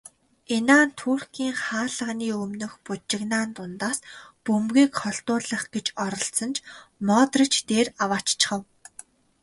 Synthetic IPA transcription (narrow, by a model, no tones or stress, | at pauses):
enaːnt̪ʰuːrkiːŋχaːɮə̆ʁniːɵmnɵ̆xput͡ɕɪ̆ɣnaːnt̪ʊnt̪aːspɵmɣiːkχɔɬt̪ʊːɮə̆χɡ̥et͡ɕɔɾɞ̆ɬt͡sə̆nt͡ɕʰmɔːt̪rə̆t͡ɕt̪eːrawaːt͡ɕt͡ɕɪ̥̆χə̆w